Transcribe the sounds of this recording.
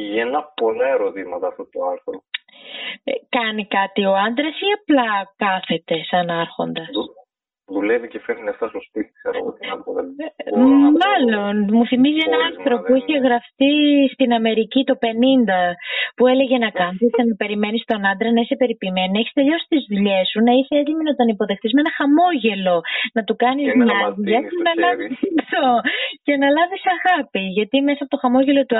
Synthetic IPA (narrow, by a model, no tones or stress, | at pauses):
enɐpo̞lɐe̞ɾo̞t̪imɐt̪ɐːft̪ot̪oɐlθɾo | kɐnikɐt̪io̞ɐnd̪ɾɐsiɐplɐkɐθe̞t̪e̞sɐnɐɾxo̞̰nd̪ɐs | ðulevicefeɾineft̪ɐsospit̪i̥sɐ̰ɾɐ̰ɣot̪inɐkoðɐ | mɐlo̞nmuθimizienɐɐnθɾopuiçe̞ɣɾɐft̪ist̪inɐme̞ɾicit̪o̞pe̞nind̪ɐpue̞le̞ʝe̞nɐkɐnsit̪enɐpe̞ɾime̞nist̪o̞nɐnd̪ɾenɐise̞pe̞ɾipime̞noneçi̥st̪e̞ʎo̞si̥t̪izðuʎe̞sunɐiseezliminot̪ɐnipo̞ðext̪izmenɐxɐmo̞ʝe̞lo̞nɐt̪ukɐnizmɐðuʝɐtenɐlɐviit̪oce̞nɐlɐvisɐɣɐpiʝɐt̪ime̞sɐpo̞t̪o̞xɐmo̞ʝe̞lo̞t̪u